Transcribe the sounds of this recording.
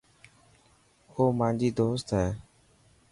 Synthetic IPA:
hoːmãːnd͡ʒiːd̪oːst̪ɦɛː

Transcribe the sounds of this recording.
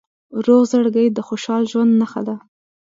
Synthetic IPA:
ɾoɣzaɽɡəjd̪əxoʃɑlʒwand̪naxa̰d̪a

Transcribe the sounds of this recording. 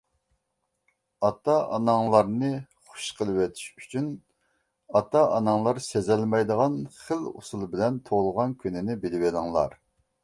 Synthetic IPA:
ɑt̪ɑʔɑnɑŋlˠɑɾnɨχʊ̥ʃqʰəlˠɨwet̪ʰi̥ʃy̥t͡ʃʰyn | ɑt̪ɑʔɑnɑŋlˠɑɾsezɛlmɛjd̪əʁɑnχəlṵsulˠbɪlɛnt̪ʰolˠʁɑnkʲʰynɪnɪbɪlɪwelˠɪŋlˠɑ̰ɾ

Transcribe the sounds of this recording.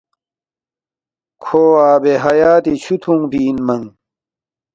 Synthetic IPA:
kʰoːaːbeɦɐjaːt̪it͡ɕʰut̪ʰũŋpiːnmɐŋ

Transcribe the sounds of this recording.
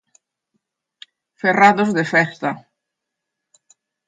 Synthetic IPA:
feraðʊzðefɛst̪ɐ

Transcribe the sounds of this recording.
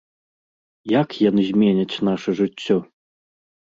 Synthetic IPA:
jakjɔnzʲmʲenʲɐt͡sʲnaʂəʐɨt͡sʲːɔ

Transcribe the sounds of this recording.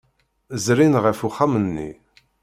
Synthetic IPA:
zɾinʁəfuχamənːḭ

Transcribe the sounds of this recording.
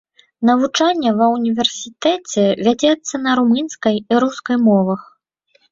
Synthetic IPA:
nɐvut͡ʂanʲːɐvɐwunʲivʲɛrsʲit̪ɛt͡sʲɛvʲad͡zʲɛt̪sːɐnɐɾumɨnskɐjiɾuskɐjmɔvɐx

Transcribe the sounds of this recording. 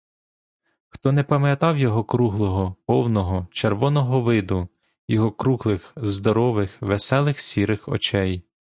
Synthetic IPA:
xt̪ɔnɛpɐmjɐt̪ɑwjɔɦɔkɾuɦlˠɔɦɔpɔwnɔɦɔt͡ʃerʋɔnɔɦɔʋɪd̪ʊ | jɔɦɔkɾuɦlˠɪxzd̪ɔɾɔʋɪxʋesɛlˠɪxsʲiɾɪxɔ̰t͡ʃɛj

